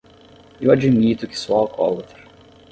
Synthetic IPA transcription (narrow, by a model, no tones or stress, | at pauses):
ewad͡ʒimit̪ʊkɪ̥sɔalkʰɔ̰lɐt̪eɾ